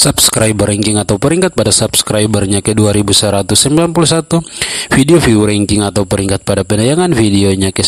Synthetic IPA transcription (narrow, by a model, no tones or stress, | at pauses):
subskɾajbəɾɛŋkɪŋat̪auwpɛɾiŋkat̪̚padasubskɾajbərɲakɛduaɾibusəɾat̪usɛmbilanpulusat̪ufideofiɾɛŋkɪŋat̪awpəɾiŋkat̪̚padapɛnajaŋanfideoɲakɛ